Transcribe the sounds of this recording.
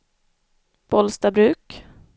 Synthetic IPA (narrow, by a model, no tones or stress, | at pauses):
pʰɔlst̪abɾʉ̟ːk